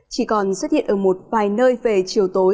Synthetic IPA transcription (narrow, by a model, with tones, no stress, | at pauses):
t͡ɕi˧˩kɔ˨˩nswə˦˥hḭ˧˨ənʔəː˧˩mo˨˩t̚vaː˨˩jnəː˧jve˨˩t͡ɕi˨˩əwt̪o˨˦